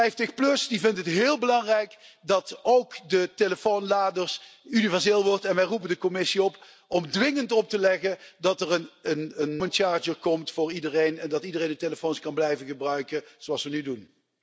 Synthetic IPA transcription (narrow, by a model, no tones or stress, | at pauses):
ɛjftəxplɵsdivɪndtəɦətɦɪːlˠbəlɑŋrɛjkdɑtowkdəteləfownlaːdəɹsynivɛɹzɪːlˠʋɔɹtɛnʋɛjrupəndəkɔmɪsiɔp | ɔmdʋɪŋəntɔp̚təlɛɣəndɑtərənənənmənt͡ʃaːɹd͡ʒəɹkɔmtfʊːɹidərejnɛndɑtidərejndəteləfoːnskɑnblɛjvənɣəbrœɥkəz̥oɑlˠsʋənydun